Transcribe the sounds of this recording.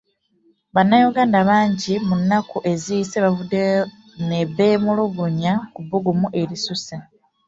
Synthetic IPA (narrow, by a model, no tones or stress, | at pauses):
βanːajoɡaːndaβaːɲɟimunːakuʔe̞ziseβavude | ne̞βe̞ːmuloβuɲakubuɡumuʔe̞ɾisuse